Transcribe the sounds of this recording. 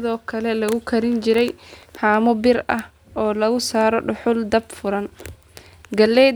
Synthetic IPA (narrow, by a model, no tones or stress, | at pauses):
ɪðɔːkʰɐlɛlɐɣʊkʰɐɾɪnt͡ʃɪɾɛjhaːmʊbɪrɐh | ʔɔːlɐɣʊsaːɾɔɖʊħʊld̪ɐbfʊɾɐn | ɡɐlːɛ